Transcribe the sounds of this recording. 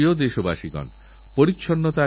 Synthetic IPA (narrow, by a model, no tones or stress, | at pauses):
iod̪eʃoba̰ʃiɡɔ̰n | poɾitːɕʰonːot̪a